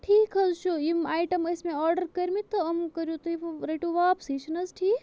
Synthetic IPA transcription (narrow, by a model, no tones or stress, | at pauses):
ʈʰiːkɦɐzt͡ʃʰuimaːjʈɐmɐsmẽɔːɾɖɐɾkɐɾʲmit̪ːɐɐmkɐɾjut̪ɐipʰɾeʈuʋaːpsiʃɐnɐzʈʰiːk